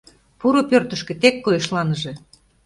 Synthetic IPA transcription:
puɾopørt̪ə̆ʃkĕt̪ekːojeʃlɑnəʒĕ

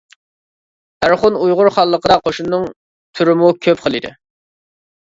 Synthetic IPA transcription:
æɾχʊnujʁʊɾχɑlˠːəqʰəd̪ɑqʰoʃunːɨŋ | t̪ʰyɾɪmukʲʰøpqʰəlˠɨd̪ɪ̰

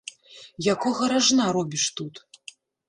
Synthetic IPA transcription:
jakɔɣɐɾaʐnaɾɔbʲiʂt̪ut̪

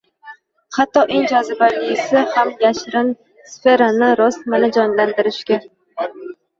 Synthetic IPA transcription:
hat̪ːɒʔeŋd͡ʒɒzɪbalɪsɪhamjaʃɾɪn | sfe̞ɾanɪɾɒst̪manad͡ʒɒnland̪ɪɾɪʃkʲa

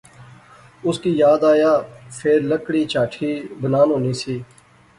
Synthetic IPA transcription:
ʊskiːjaːd̪aːjaːpʰeːɾləkɽiːt͡ʃaːʈʰiːbənaːnɦõːniːsiː

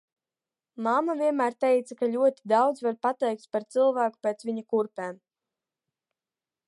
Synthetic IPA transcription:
mamavʲiɛmæːɾt̪ɛjt̪sakaʎʲuɔt̪i̥d̪awd̪zvaɾpat̪ɛjk̚t̪paɾt̪sɨlˠvæːku̥pʲeːt̪sviɲakuɾpɛːm

